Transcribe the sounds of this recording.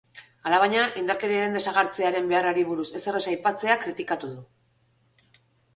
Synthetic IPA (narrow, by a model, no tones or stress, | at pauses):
alaβaɲaʔind̪aɾke̞ɾiaɾe̞nd̪e̞saɣaɾt͡se̞aɾe̞mbe̞araɾiβuɾuse̞se̞re̞sajpat͡se̞akɾit̪ikat̪uðu